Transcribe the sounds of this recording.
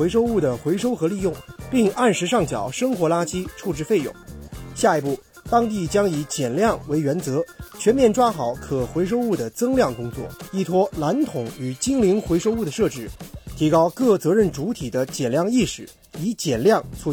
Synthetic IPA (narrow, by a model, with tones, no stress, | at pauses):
we˧˥ɪʂo˥ʊu˥˩d̪ə˩xwe˧˥ɪʂo˥ʊxɤ˧˥li˥˧jʊ˥˩ŋpi˥˧ŋa˥˩nʂɻ̩˧˥ʂɑ˥˩ŋt͡ɕjɑ˨˩˦ʊʂɤ˥ŋxwɔ˧˥la˥t͡ɕʰi˥t͡sʰu˥˧ʈ͡ʂɻ̩˥˧fe˥˩ɪjʊ̰˨˥˩ŋɕja˥˩i˧˥pu˥˩ | t̪ɑ˥ŋt̪̬i˥˩t͡ɕjɑ˥ŋi˧˥t͡ɕjɛ˨˩nljɑ˥˩ŋwe˧˥ɪɥɛ˧˥nt͡sɤ˧˥t͡ɕʰɥɛ˧˥nmjɛ˥˩nʈ͡ʂwa˥xɑ˧˩˥ʊkʰɤ˨˩xwe˧˥ɪʂ̬o˥ʊu˥˩d̪ə˩t͡sɤ˥ŋljɑ˥˩ŋkʊ˥ŋt͡swɔ̰˥˩i˥˩t̪ʰwɔ˥la˧˥nt̪ʰʊ˨˩˦ŋy˨˩t͡ɕi˥ŋli˧˥ŋxwe˧˥ɪʂo˥ʊu˥˩d̪ə˩ʂɤ˥˧ʈ͡ʂɻ̩˥˩t̪ʰi˧˥kɑ˥ʊkɤ˥˩t͡sɤ˧˥ɻə˥˩nʈ͡ʂu˧˥t̪ʰi˨˩d̪ə˦t͡ɕjɛ˨˩nljɑ˥˧ŋi˥˩ʂɻ̩˨˩˦ | i˧˥t͡ɕjɛ˨˩nljɑ˥˧ŋt͡sʰu˥˧